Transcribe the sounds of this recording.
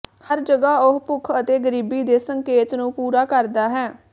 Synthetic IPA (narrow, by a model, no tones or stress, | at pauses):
həɾd͡ʒəɡaːʊɦpʊkʰət̪eːɡəɾiːbiːd̪eːsəŋkeːt̪nũːpuːɾaːkəɾd̪aːɦɛː